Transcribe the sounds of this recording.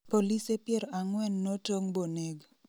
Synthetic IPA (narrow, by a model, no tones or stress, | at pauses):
polisepjɛɾɔʔaŋwɛnːotoŋboneɡ